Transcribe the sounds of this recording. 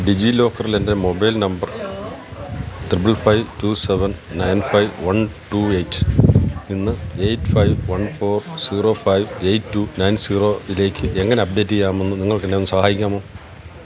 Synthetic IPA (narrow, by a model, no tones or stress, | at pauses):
ɖid͡ʑilo̞ːkːɐrilende̞mobɐjlnɐmbɐr | t̪rip̬ːɨlfɐjʋtuːse̞ʋɐnnɐjnfɐjʋʋɐnʈuːejtːɨ̥inːɨejtːfɐjʋʋɐnfo̞ːrsiːro̞ːfɐjʋejtːuːnɐjnsiːro̞ːile̞ːkʲːɨʔeŋːɐne̞ɐp̚ɖe̞ːtːijːaːmenːuniŋːɐɭkːenːdenːɨsɐhaːjikʲːaːmoː